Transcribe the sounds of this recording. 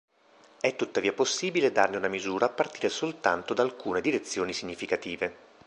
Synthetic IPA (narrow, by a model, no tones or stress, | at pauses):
ɛt̪ːut̪ːaviːaposːiːbiled̪arneunamizuːɾaːpːart̪iːɾesolt̪a̰nt̪od̪alkuːned̪iɾet̪sːjoːnisiɲːifikat̪iːve